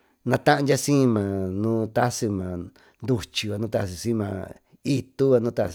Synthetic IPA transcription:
nã˧t̪ã˦ʔã˧nd͡ʒa˦sĩː˦˧mã˨nũː˦t̪a˦sɨ˧mã˨ | nd̪u˧t͡ʃi˨˧βa˧nũː˦t̪a˧˨s̬i˧sĩ˦˧mã˧ | i˧t̪u˦βa˧nũ˦t̪a˧

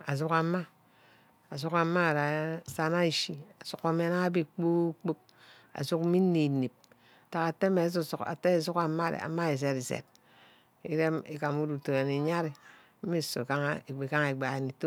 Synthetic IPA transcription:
a˨z̬u˦ka˨˦ma˦ | a˨z̬u˦ka˨˦ma˦˨ɾa˨sa˨na˦i˨ʃi˦a˨su˨ko˨me˦na˦a˦bi˦k͡pu˦k͡po˦k̚ | a̰˨zu˦kmi˦ni˨ni˨p̚ | a˨ta˨ka˨te˦me˨˦su˦su˨ka̰˨te˦e˨zu˦ka˨˦ma˦˨ɾḛ˨a̰˨ma˦e˨s̬e˨ti˨sḛ˨t̚ | i˦ɾe˦me˨ka˨mu˦du˨to˨ɾa˨ni˨ɲa˦ɾe˨˦ | i˦˨so˨ka˦ŋ˦e˨e˨ka˦ŋ˨e˨ɡ͡ba˨e˨ni˨to˦

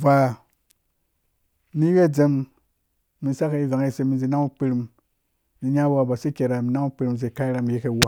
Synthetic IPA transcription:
va˨ | mi˦we˦d͡ze˦mː | i˨sa˦ka˨i˦va˨ŋe˦˨se˧mi˨nzi˨na˦ŋu˦k͡pi˧ɾi˨m | ni˨ɲa˦wa˦˨ba˨si˦kʲe˨ɾa˨mi˨na˦ŋu˦pi˦ɾi˨m˨s̬e˨ka˦i˦ɾa˨mi˨je˦ke˨wa˦˨

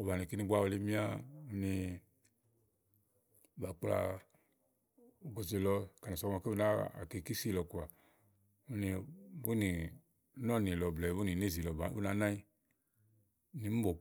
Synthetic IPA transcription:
o˨ba˨ni˨ki˦nĩ˧ɡ͡ba˦ɔ˧le˦mĩ˦a˦u˧˦ni˧˨ | ba˨k͡pla̰˨ | u˨ɡo˨ze˨lɔ˧ka˨na˨ɔ˧˨ma˨ke˦bu˦na˦a̰˨ke˨ki˦si˦˨lɔ˧ku˨a˨ | u˦ni˧bu˦ni˨˦ | nɔ˦˨ni˨lɔ˨blɛ˨˦u˦ni˨ne˦˨zi˨lɔ˨ba˨˦bṵ˦na˨˦nã˦i˦ | ni˨˦m̩˦bɔ˨

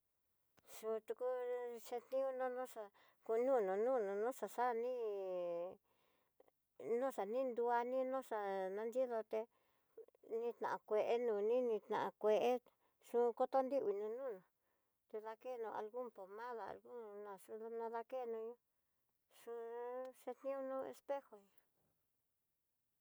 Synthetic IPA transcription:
ʂũ˧t̪u˧ku˦ʂẽ˧t̪nĩ˦ũ˦nõ˦nõ˦ʂa˧ | ku˧nũ˦˨nõ˨nũː˦˨nũ˨nũ˦ʂa˨ʂa˦nĩ˦ | nũ˦ʂa˨nĩ˦nd̪u˧a˧nĩ˦nõ˦ʂa˨nã˧nd͡ʒi˦ðo˧t̪e˧ | nĩ˧˦t̪nã̰˨a˨kʷe˧ʔe˦nũː˧˨nĩ˦nĩ˧t̪nã̰˨ã˧kʷe˧ʔe˦ | ʂũ˦˧ko˦t̪o˦nd̪i˦βi˧nũ˧nũ˦˨nõ˨ | t̪e˧ða˧ke˦˧nũ˧ʔa̰˨lɣu˦mpo˨mã˦ða˨a̰˨lɣu˦˧˨nã˧ʂũ˧ðnã˧ða˧ke˦˧nũ˧ɲũ˦ | ʂũ˧ʂe˧t̪nĩ˦u˦nũ˦ḛ˧spe˦xo˨ɲã˨

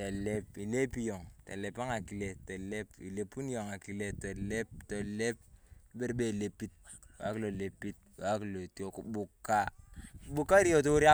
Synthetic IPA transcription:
te˨le˦pi˨le˦pi˦jɔ˨ŋte˨le˨pa˦ŋa˨ki˨le˨te˨le˦pḭ˨le˨pu˦n˦jɔ˨ŋa˨ki˨le˨to˨le˦p̚to˨le˦p̚be˦ɾbe˨le˨pi˦t̚wa̰˨˦ki˨lo˨le˨pːi˦t̚a˦ki˨lo˨tjo˨ku˨bʊ˨kːa˦bʊ˦kːa˦i˦ɾjɔ˨t̬o˦ɾja˦

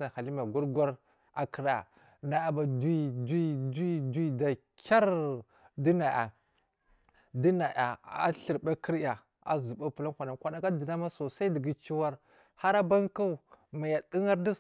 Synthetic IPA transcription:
a˨xa˨li˦ma˨ɡʷu˦ɾɡʷa˦ɾ | a˨ki˨ɾa̰˨ | na˨ja˨ba˨di˦di˦di˦di˦da˨ | kʲa˦ɾ | di˦na˨ja̰˨ | di˦na˨ʔa˨a̰˦ɬə˨ɾba˦ki˦ɾja˨ | a̰˨zu˨ba˦pu˨la˦kʷa˨na˨kʷa˨na˨ka˦di˨na˦ma˦so˨sa˦dɡi˦t͡ʃi˦wa˦ɾ | ha˦ɾa˦ba˦ŋka˦˨ma˨ja˨ɗi˦ŋa˦ɾda˦

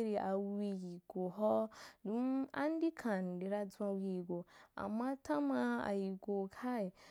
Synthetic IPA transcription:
ɾi˧ʔa˨wi˧ji˨ɡ̥o˨ɦɔ˦du˦a̰˦n˦di˦kʰa˨n˨di˨ɾa˧d͡zã˧wi˧i˨ɡo˨a̰˨mːã˦ta˦ma˧a̰˨ji˨ɡo˨kʰa˦e˨

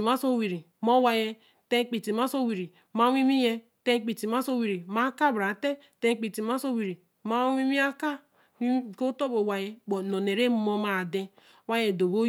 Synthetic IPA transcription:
ma˦so˦wi˨ɾi˨ | mo˦wa˨je˦ | te˦k͡pi˨ti˨ma˦so˦wi˨ɾi˨ | ma˦wi˦mi˦je˦ | te˦k͡pi˨ti˨ma˦so˦wi˨ɾi˨ma˦ka˦˨bɾa˨te˦ | te˦k͡pi˨ti˨ma˦so˦wi˨ɾi˨ | ma˦wi˦mi˦a˦ka˦˨ | ko˦to˦bo˨wa˨je˦bo˨no˨ne˨ɾe˦mo˦ma˨de˦ | wa˦je˨do˨bo˦

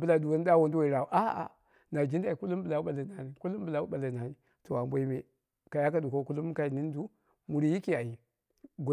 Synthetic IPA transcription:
bə˦la˨du˨wo˦n˦da˦wo˨ndu˦wa˨i˨ɾa˨wu˨ʔa˦a̰˨ | na˨d͡ʒi˦nda˨i˨ku˦lu˦mbə˨la˨˦ɓa˨la˨na˨ni˨ku˦lu˦m˦bə˨la˦u˦ɓa˨la˨na˨ni˨ | to˨a˨mbʷo˦i˦me˨ | ka˨ja˦ka˨du˨ko˦ku˦lu˦m˦ka˦i˨ni˦n˦du˦ | mu˨ɾi˨ji˦ki˦a˨ji˨ | ɡ

